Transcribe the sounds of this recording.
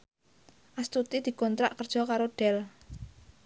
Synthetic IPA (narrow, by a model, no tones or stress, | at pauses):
ʔast̪ut̪id̪̥i̤kɔnt̪ɾaʔkərd̥ʒ̥ɔ̤kaɾoɖ̥ɛl